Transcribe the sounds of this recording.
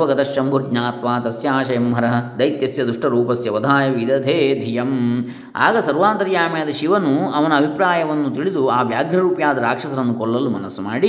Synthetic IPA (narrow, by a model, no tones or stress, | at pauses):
ʋɐɡɐt̪ɐʃːɐmbʱuɾɡɲaːt̪ʋaːt̪ɐsjaːʃɐjɐmɦɐɾɐɦɐd̪ɐjt̪jɐsjɐd̪uʂʈɐɾuːpɐsjɐʋɐd̪ʱaːjɐʋid̪ɐd̪ʱeːd̪ʱijɐm | a̰ːɡɐsɐɾʋaːnt̪ɐɾjaːmjeːd̪ɐʃiʋɐnuɐʋɐnɐɐbʱipɾaːjɐʋɐnːut̪iɭid̪uaːʋjaːɡʱɾɐɾuːpjaːd̪ɐɾaːkʂɐsɐɾɐnːukɔɭːɐlumɐnɐsumaːɽi